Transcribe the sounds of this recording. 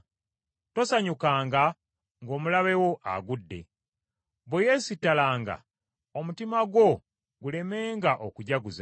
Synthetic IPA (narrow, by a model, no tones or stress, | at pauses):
to̞saɲukaːŋɡa | ŋɡo̞ːmulaβe̞wo̞ʔa̰ɡudːe̞̰ | βweje̞ːsitːalaːŋɡa̰ | omutimaɡwo̞ | ɡule̞me̞ːŋɡaʔokuɟaɡuza